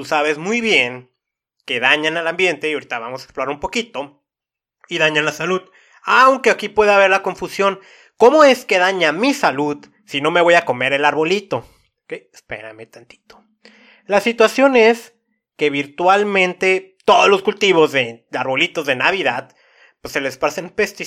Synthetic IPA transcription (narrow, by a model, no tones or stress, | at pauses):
t̪usaβe̞zmujβje̞ŋ | ke̞ðaɲanalambje̞nt̪e̞ioɾit̪aβamosae̥ksploɾaɾumpo̞kit̪o̞ | iðaɲanlasaluð | awŋkeakipwe̞ðeaβe̞ɾlako̞ɱfusjo̞n | ko̞mo̞e̞ske̞ðaɲamisaluð | sino̞me̞β̞o̞jako̞me̞ɾe̞laɾβo̞lit̪o̞ | keespe̞̰ɾa̰me̞t̪ant̪i̥t̪o | lasit̪wasjo̞ne̞s | ke̞βiɾt̪walmẽ̞nt̪e̞t̪o̞ðozlo̞skult̪iβ̞o̞zðeaɾβo̞lit̪o̞zðe̞naβiðað | pwesːe̞lespsenpest̪i